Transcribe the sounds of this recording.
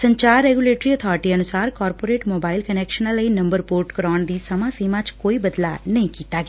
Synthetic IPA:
sɐ̃ɲt͡ʃaːɾːeːɡuleːʈɾiət̪ʰɔːɾʈiɐnʊsaːɾkɔːɾpoːɾeːʈmoːbaːɪlkɐneːkʃənãləinɐ̃mbəɾpoːɾʈkəɾɔːɳ̃d̪iːsɐmãsiːmãt͡ʃkoːibɐd̪lanɐɦĩkiːt̪aɡ

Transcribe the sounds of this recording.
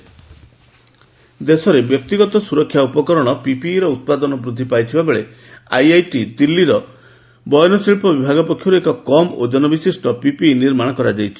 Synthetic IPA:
d̪esɔɾebjɔk̚t̪iɡɔt̪ɔsuɾɔkʰjaupɔkɔɾɔɽ̃ɔpipiːɾɔut̪̚pad̪ɔnɔbɾud̪ʱːipajt̪ʰibabeɭe | ajajʈid̪ilːiɾɔ | bɔjɔnɔsiɭpɔbibʱaɡɔpɔkʰːjɔɾuekɔkɔmod͡ʒɔnɔbisisʈɔpipiniɾmaɽ̃ɔkɔɾad͡ʒajt͡ʃʰi̥

